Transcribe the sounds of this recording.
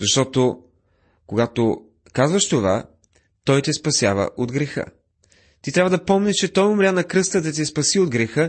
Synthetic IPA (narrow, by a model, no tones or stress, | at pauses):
zɐʃt̪ɔt̪o | koɡat̪o | kazvɐʃt̪ova̰ | t̪ɔjt̪ɛspɐsʲjavə̰ʔod̪ɡɾɛxə̰ | t̪it̪ɾavɐəd̪ɐpɔmnʲɛʃt͡ʃɛt̪ɔjomɾʲanɐkɾɤst̪əd̪ɐt̪̬ɛspɐsiod̪ɡɾɛxə